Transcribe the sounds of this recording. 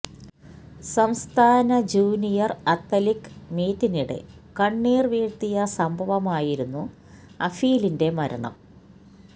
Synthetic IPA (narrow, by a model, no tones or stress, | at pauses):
sɐmst̪ʰaːnɐd͡ʑuːnijɐrɐt̪ːɐlikːmeːtːiniɽḛkɐɳːiːrʋiːɻt̪ːijɐsɐmbʱɐʋɐmaːjiɾunːu | ɐfijlinde̞mɐɾɐ̰ɳɐ̰m